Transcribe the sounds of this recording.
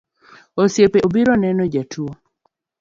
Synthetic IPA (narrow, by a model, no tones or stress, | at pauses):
osjepeobiɾonɛnɔd͡ʒatʰuo